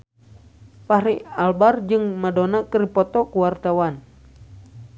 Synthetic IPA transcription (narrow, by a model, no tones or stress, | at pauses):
pahɾialbard͡ʒɨŋmadonakəripɔt̪ɔkuwart̪awan